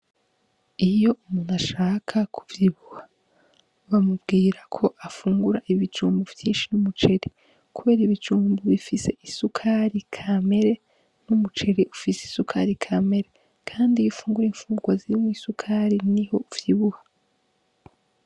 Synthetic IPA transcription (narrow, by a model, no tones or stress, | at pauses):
ijo̞umunaʃaːkʰakʰu̥vjiβuha | βamubɡiːɾakʰo̞ʔafuːŋɡuɾaʔiβit͡ʃuːmbuvjiːnʃinumut͡ʃe̞ɾi | kuβe̞ːɾiβit͡ʃuːmbuβifise̞ʔisukʰaɾikʰame̞ɾe̞ | numut͡ʃe̞ɾiʔufiseisukʰaɾikʰame̞ɾe | kʰaːndiβifuːŋɡuɾeiːɱfuːɡwaziɾimwiːsukʰaɾiniho̞vjiβuha